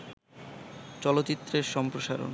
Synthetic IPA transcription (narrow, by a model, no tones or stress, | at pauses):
t͡ɕɔlot̪ːt͡ɕit̪ːɾeɾʃɔmpɾoʃaɾo̰n